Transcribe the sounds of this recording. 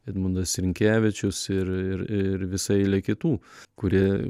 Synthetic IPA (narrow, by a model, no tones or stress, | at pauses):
ɐd̪mʊnd̪ɐsɾʲɪŋʲkʲæːʋʲɪt͡ʃʲʊsɪɾɪɾɪɾʋʲɪsɐɪlʲɛkʲɪt̪uːkʊɾʲiɛ